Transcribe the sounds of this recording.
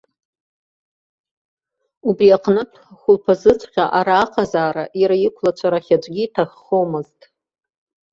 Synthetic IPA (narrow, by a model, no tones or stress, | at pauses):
ubriaqʰʼnɨtʰχʷʊlpʰazɨt͡sʷʰʼχʲa̰ʔaɾaːqʰazaːɾaʔiɾajikʷʰlat͡ʃʷʰaɾaχʲad͡ʒʷʼɡʲiitʰaχːowmɨztʼ